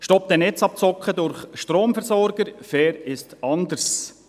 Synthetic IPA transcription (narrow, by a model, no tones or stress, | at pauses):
ʃtɔp̚t̪ɛnɛt͡sɑp̚t͡sɔkχəd̪ʊɾχʃtɾoːmfɛɾsɔɾɡ̥əɾfɛːɾɪstɑnd̪əɾs